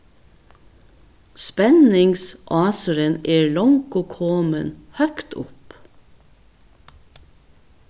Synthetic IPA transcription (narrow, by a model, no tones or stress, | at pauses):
spɛnɪŋsʔɑːsəɾəneːɭɔŋkoːkʰoːmə̰nhœkt̪ʊ̰p